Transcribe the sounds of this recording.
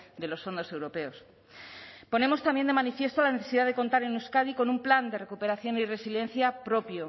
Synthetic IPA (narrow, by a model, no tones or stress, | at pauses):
d̪e̞lo̞sfo̞nd̪o̞se̞wɾo̞pe̞os | po̞ne̞mo̞st̪ambje̞nd̪e̞manifje̞st̪olaneθe̞siðaðe̞ko̞nt̪aɾenuskaðiko̞numpland̪e̞re̞kupe̞ɾaθjo̞nire̞sile̞nθjapɾo̞pjo